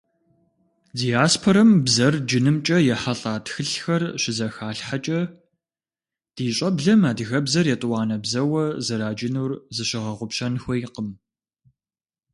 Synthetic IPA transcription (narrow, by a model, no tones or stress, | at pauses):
dijaːspʰoɾɐmbzɐrd͡ʒɪnɨmt͡ʃʼɐjɛħaɬʼaːtxɨɬxɐrɕɪzɐxaːɬħat͡ʃʼɐ | d̥iːɕʼɐbɮɐmaːdɨɣɐbzɐrjɛtʼwɑːnɐbzɐwɐzɐɾaːd͡ʒɪnuːrzɨɕɪʁɐʁʷʊpɕɐnxʷɔjqəm